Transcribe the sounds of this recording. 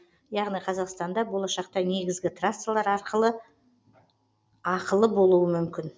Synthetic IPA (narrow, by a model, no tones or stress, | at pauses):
jɑʁnijqʰɑzɑqst̪ɑnd̪ɑbo̞lˠɑʃɑqt̪ɑne̞ɡʲɪzɡʲɪt̪rasːalˠɑɾɑɾqʰəlˠə | ɑqəlˠəbo̞lˠuəmʏmkʲɪn